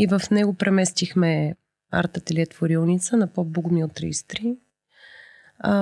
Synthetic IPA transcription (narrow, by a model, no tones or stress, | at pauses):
ivəfnɛɡʊpɾʔɛmɛst̪ixmɛ | a̰ɾt̪ət̪ilʲiɛt̪vʊɾilˠnit̪sənɐpɔbuɡʊmiot̪ɾḭst̪ɾi